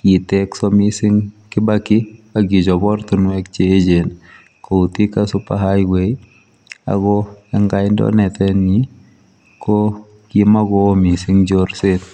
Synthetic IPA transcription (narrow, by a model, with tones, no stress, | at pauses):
ki˨tɛksɔ˦mi˦sɪ˦ŋkɪ˦bakɪ˦a˨ɡi˨d͡ʒɔ˨bɔ˦ɾt̪u˨nwɛkt͡ʃeː˦d͡ʒen | ko˨u˨ti˦kasʊ˦pahajɡwe˨j | a̰ɡɔɛ˦ŋɡa˦jndɔ̰˦nɛ˨tɛni˨ | kʰo | kima˦ɡɔ˦mi˨sɪ˦ŋd͡ʒoɾset̪